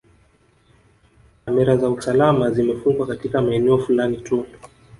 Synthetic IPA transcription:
kamɛɾazausalamazimɛfuŋɡwakatikamaɛnɛɔfulanitu

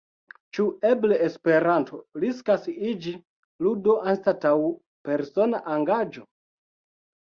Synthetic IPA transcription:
t͡ʃuebleespe̞ɾantʰo̞ɾiskasid͡ʒi | ludo̞ʔanstataw | pe̞ɾso̞naʔaŋɡad͡ʒo̞

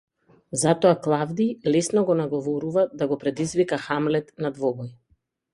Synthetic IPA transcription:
zat̪ɔaklˠavd̪ilɛsnɔɡɔnaɡɔvɔɾuvad̪aɡɔpɾɛd̪izvikaxamlɛt̪nad̪vɔbɔj

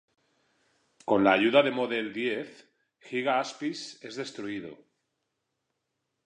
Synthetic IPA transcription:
ko̞nlaːʝuðaðe̞moðeld̪je̞θ | xiɣaaspise̞zðe̞st̪ɾuið̞o̰

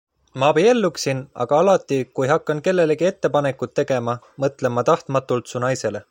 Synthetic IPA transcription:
mɑːpeje̞lːuksinɑ̰ɡ̥ɑɑlɑt̪ːˑikujɦɑkːˑɑnke̞lːe̞leɡie̞t̪ːe̞pɑne̞kːut̪ːe̞ɡ̥e̞mɑ | mɤt̪ˑle̞mːɑt̪ɑht̪mɑt̪ːˑult̪sunɑjse̞le̞

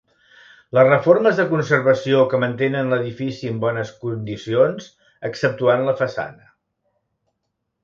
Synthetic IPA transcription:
ləzrəforməzðəkunsərβəsiokəmənt̪enənləðifisiəmbɔnəskund̪isionz̥ | əksəp̚t̪uanləfəsa̰nə

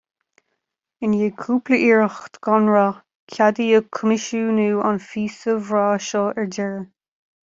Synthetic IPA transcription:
ɪnjeːkʰuːpləʔiːɹəxt̪ɡ̥ɔnɹa | kʰad̪iəkʰəmɪʃuːnuːa̰nfiːsəvɹaːʃɔːɛɹd͡ʒɛɹə

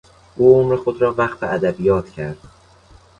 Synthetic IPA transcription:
ʔuːomɾe̞xod̪ɾɒːvæxt̪eʔæd̪æbijɒːt̪ʰcʰæɾd̪̥

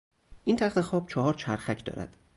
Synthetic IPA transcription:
ʔiːnt̪ʰæxt̪e̞xɒːb̥t͡ʃʰɒɦɒːɾt͡ʃʰæɾxæcʰd̪ɒ̰ːɾæ̰d̪̥

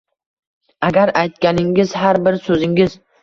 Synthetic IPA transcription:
aɡʲaɾajt̪kʲanɪŋʲɪzɦaɾbɪɾsɵzɪŋɪz̥

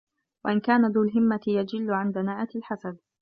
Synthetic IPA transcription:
wa̰ʔɪnkaːnad̪uːlɦɪmːat̪ɪjad͡ʒɪlːʊʕanb̪anaːʔat̪ɪlħasad̪̚

